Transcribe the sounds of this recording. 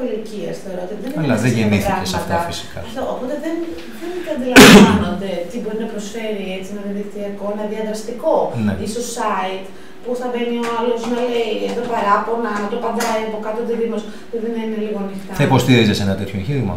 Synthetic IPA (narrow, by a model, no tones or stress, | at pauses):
iliciɐsθe̞oɾo̞t̪iðeniɐlɐðeeniθiɐessɐft̪ɐfisi̥kɐ̰ɐft̪oopo̞t̪eðen | ðenk̪ɐnd̪ilɐvano̞nd̪e̞t̪ibo̞ɾinɐpɾosfe̞ɾiet͡sienɐðiɐðikt̪iɐko̞enɐðiɐnd̪ɾɐst̪iko̞neisossɐit̪ | pusθɐve̞nioalo̞znɐleieðo̞pɐɾɐponɐnɐt̪opɐnd̪ɐiɐpokɐt̪ot̪iðipos | ðoðinɐine̞liɣo̞ɐnixt̪ɐθɐipo̞st̪iɾizesenɐt̪et̪çoeɲçiɾimɐ̰